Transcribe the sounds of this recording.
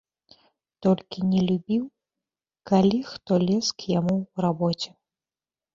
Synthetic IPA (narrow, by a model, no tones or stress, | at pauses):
t̪ɔlʲkʲinʲɛlʲubʲiw | kalʲixt̪ɔlʲɛskjamurabɔt͡sʲɛ̥